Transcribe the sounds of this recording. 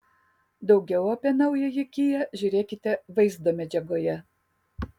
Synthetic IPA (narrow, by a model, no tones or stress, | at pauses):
d̪ɒʊɡʲɛʊɐpʲiːnɐʊjɛjɪkʲijɛʒʲʊːɾʲeːkʲɪt̪ʲɛʋɐɪzd̪oːmʲɛd͡ʒʲɛɡoːjɛ